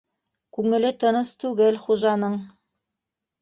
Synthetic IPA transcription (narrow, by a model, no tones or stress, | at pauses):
kʉŋɘ̆lɘt̪ɤ̆nɤst̪ʉɡɘlχuʒɑnɤɴ